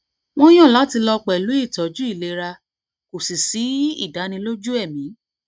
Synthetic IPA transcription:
w̃ɔ̃˦j̃ɔ̃˦˨la˨˦ti˧lɔ˧k͡pɛ˨lu˨˦i˦˨tɔ˨˦d͡ʒu˦i˦˨le˨˧ɾa˧ | ko˨si˨si˨˦ḭ˦˨da˨˦nĩ˧lo˦d͡ʒu˦ɛ˦˨mĩ˨˦

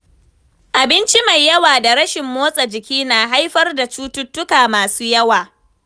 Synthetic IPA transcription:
ʔa˨bɪ˦nt͡ʃi˦ma˨jːɐ˦waː˨da˨ɾɐ˦ʃɪ˨mːoː˦sʼɐ˨d͡ʒɪ˨kʲiː˦naː˨ɦa˦jɸɐ˦rda˨t͡ʃuː˦tʊ˦tːʊ˦kaː˨maː˨suː˦jɐ˦waː˨

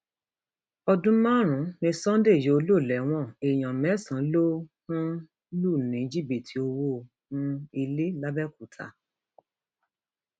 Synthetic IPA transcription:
ɔ˧dũ˦mã˦˨ɾ̃ũ˨˦nĩ˧sã˦de˦˨je˨˦o˧lo˦˨lɛ˨˦w̃ɔ̃˦˨e˨j̃ã˨mɛ̃˨˦sã˨˦lo˦hũ˦ | lu˦˨nĩ˨˦d͡ʒi˦˨bi˨tʰi˨o˧wo˦ | hũ˦i˧le˦la˦bɛ˦ku˨tʰa̰˨˦

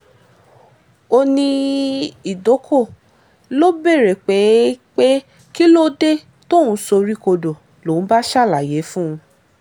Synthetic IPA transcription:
o˧nĩ˧ | i˨do˨˦kʰo˦˨ | lo˦be˦˨ɾe˨k͡pe˨˦k͡pe˦ | ki˦lo˦de˦ | to˦˨ũ˨˦so˧ɾi˦ko˧do˨ | lo˨˦ñ̩˦ba˦ʃa˦˨la˨je˨˦fũ˦ũ˧

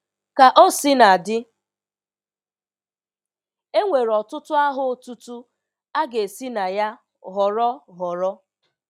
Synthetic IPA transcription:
ka˨ʔɔ˦sɪ˦na˨dɪ˦ | e˦ŋʷe˨ɾɔ˨tʊ˦tʊ˦a˦ɦʊ˨o˦tu˦tu˦ | a˦ɡe˨si˦na˨ja˦ | ɦɔ˨ɾɔ˦ɦɔ˨ɾɔ˦

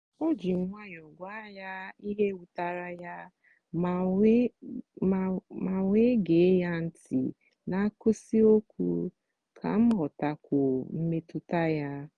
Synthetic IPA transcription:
ɔ˦d͡ʒi˨ŋ̩˦ŋʷa˦ɲ˨ɔ˨ɡʷa˦ja˦i˦ɦe˦wu˨ta˨ɾa˦ja˦ | m˨˦ | ma˨ŋʷe˦ɡe˨˦ja˦n̩˦tḭ˨ | na˨a˦ko˦si˦o˦kʷṵ˦ | kʰa̰˨m̩˦ɦɔ˨ta˨kʷo˨m̩˦me˦tʊ˦ta˦ja˦

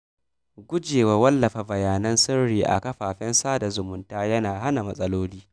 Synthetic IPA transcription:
ɡʷʊ˦d͡ʒeː˨wa˨wɐ˦lːɐ˨ɸa˨bɐ˨jaː˨nɐ˦nsɪ˦rɽiː˨ʔa̰˨kɐ˦ɸaː˨ɸɛ˦nsaː˦da˨zʊ˨mʊ˨ntaː˦jɐ˦naː˨ɦa˦na˨mɐ˨sʼɐ˦loː˦liː˦

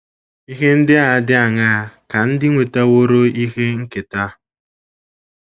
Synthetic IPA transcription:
i˦ɦe˦n̩˦dɪ˦a˨˦dɪ˦a˨ŋa˦˨ka˨n̩˦dɪ˦ŋʷe˨ta˦wo˦ɾo˦i˦xe˦ŋ̩˦kɪ˨ta˦

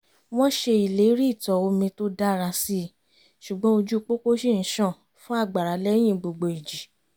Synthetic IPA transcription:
w̃ɔ̃˦ʃe˧i˨le˨˦ɾi˦˨tɔ˨o˧mĩ˧to˦da˦˨ɾa˧si˦ | ʃu˨ɡ͡bɔ̃˦o˧d͡ʒu˦˧k͡po˦ko˦ʃi˦˨n̩˦ʃã˦˨ | fũ˦a˦˨ɡ͡ba˨ɾa˨˦lɛ˦j̃ĩ˦˨ɡ͡bo˧ɡ͡bo˨i˨d͡ʒi˨

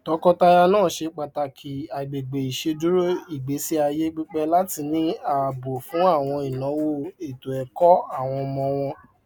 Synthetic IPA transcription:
tɔ˨˧˦kɔ˧ta˧ja˧nãː˦˨ʃe˧k͡pa˨ta˧kʰi˨˦a˨ɡ͡be˨ɡ͡be˨i˨ʃe˧du˦ɾo˦i˨ɡ͡be˨˦si˦a˧je˦ɡ͡be˦˧k͡pɛ˧la˦ti˧nĩ˦a˨bo˨fũ˨˦a˦˨w̃ɔ̃˧i˨nã˨˦wo˦e˨to˨ɛ˨kɔ˦a˦˨w̃ɔ̃˧mɔ̃˧w̃ɔ̃˧

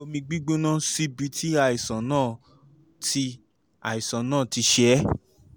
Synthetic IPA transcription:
o˧mĩ˧ɡ͡bi˦ɡ͡bũ˦nã˦si˦bi˧tʰi˦a˦˨i˨sã˨˦nãː˦˨ | tʰi˧ | a̰˨i˨sã˨nãː˦˨ti˧ʃɛ˨˦

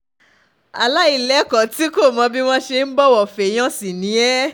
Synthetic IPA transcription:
a̰˨la˦i˦˨lɛ˨˦kɔ˨ti˦ko˦˨mɔ̃˧bi˦w̃ɔ̃˦ʃe˧n̩˦bɔ˦wɔ˦˨fe˨j̃ã˦si˨nĩ˨˦ɛ˦

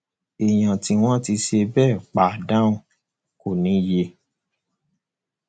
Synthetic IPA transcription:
e˨j̃ã˨ti˧w̃ɔ̃˦ti˧ʃe˧bɛː˦˨k͡pa˨dã˦ũ˨ | ko˦˨nĩ˨˦je˧˦

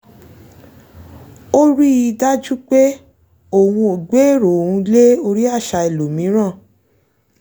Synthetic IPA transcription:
o˦ɾi˦i˧da˦d͡ʒu˦k͡pe˦ | o˦˨wũ˧o˨ɡ͡be˨˦e˦˨ɾo˨o˨ũ˧le˦o˧ɾi˦a˦˨ʃa˧e˨lo˨mĩ˨˦ɾ̃ã˦˨

